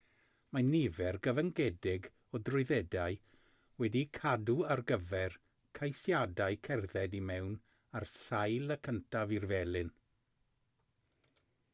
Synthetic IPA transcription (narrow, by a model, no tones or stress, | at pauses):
manivɛrɡəvəŋɡɛdɪɡ | ɔdrʊɨðɛdaɨ | wɛdikʰaduarɡəvɛr | kʰajsjadaɨkʰɛrðɛdimɛwn | arsajlˠəkʰəntʰavirvɛlˠɨn